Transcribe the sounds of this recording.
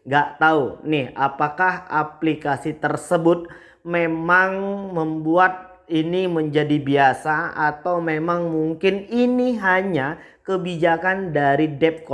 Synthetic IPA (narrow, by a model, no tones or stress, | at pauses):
ŋɡaʔt̪aunɪhapakahaplikasit̪ərsəbʊt̪̚ | memaŋməmbuat̪̚ | iniməɲd͡ʒadibiasaat̪awmemaŋmuŋkɪniniɦaɲa | kəbid͡ʒakandaɾidɛp̚kɔ